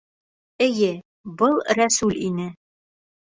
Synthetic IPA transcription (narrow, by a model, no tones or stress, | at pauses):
ɘ̆jɘ | bɤlˠɾæsʉlʲinɘ